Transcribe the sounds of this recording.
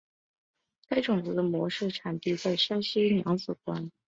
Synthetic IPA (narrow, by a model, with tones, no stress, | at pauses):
ka˥ɪʈ͡ʂʊ˨˩ŋt͡sɹ̩˧˥d̪ə˧mwɔ˧˥ʂɻ̩˥˩ʈ͡ʂʰa˨˩nt̪i˥˧t͡sa˥˩ɪʂa˥nɕi˥njɑ˧˥ŋt͡sɹ̩˨˩kwa˥n